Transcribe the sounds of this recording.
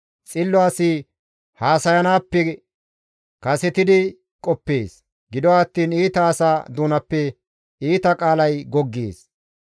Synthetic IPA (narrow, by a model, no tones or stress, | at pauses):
t͡sʼɪlːʊaːsi | haːsɐjɐnaːpːɛ | kɐsɛt̪ɪd̪ɪ | kʼɔpːeːs | ɡɪd̪ɔaːt̪ːiːniːt̪ɐːsaːd̪uːnɐpːɛ | iːt̪ɐkʼaːlɐjɡɔɡːḛːs